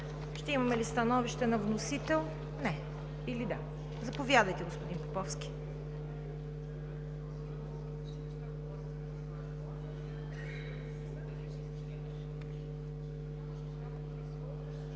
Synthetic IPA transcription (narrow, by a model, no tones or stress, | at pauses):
ʃt̪ɛimɐmɛlist̪ɐnɔviʃt̪ɛnɐvnosit̪ɛlˠ | nɛ | ilid̪a | zɐpovʲjad̪əjt̪ɛɡospʊd̪inpopɔfskʲi̥